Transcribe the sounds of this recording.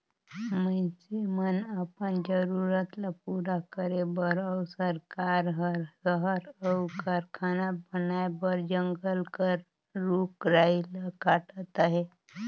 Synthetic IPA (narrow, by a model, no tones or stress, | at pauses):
məsemənapənd͡ʒəɾuɾət̪lapuɾakəɾebəɾəwsəɾkaɾɦəɾsəɦəɾəwkaɾkʰanabənajbəɾd͡ʒəŋɡəlkəɾː | ukɾailəkaʈət̪aɦe